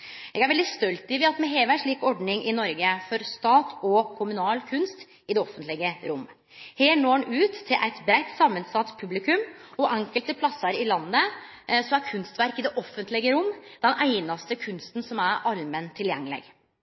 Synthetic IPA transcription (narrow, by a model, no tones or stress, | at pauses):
jɛ̰ɡæɾʋɛld̪ɪst̪œlt̪ɪʋɪɑt̪mɛɦeːʋæʂɭiːkɔɖɳɪŋʔɪnɔɾɡəfɔɾst̪ɑːt̪ʰɔkʰʊmʉnɑːlkʰʉnst̪ | ɪd̪ɛɔfənt̪lɪɡəɾʊmː | heːɳoːɳʉːt̪ʰːɪlʔæ̰ɪt̪bɾæɪt̪ːsɑmːənsɑt̪ːpʰʉblɪkʉmɔʔɛŋkəlt̪əpʰlɑsɑɾɪlɑnːə | sɔmæɾkʰʉnst̪ʋæɾkɪd̪ɛʔɔfːənt̪lɪɡəɾʊmːd̪̥ɛnæɪnɑst̪əkʰʉnst̪n̩sɔmæɾʔɑlmənt̪ʰɪljɛŋːlɛ̰ɡ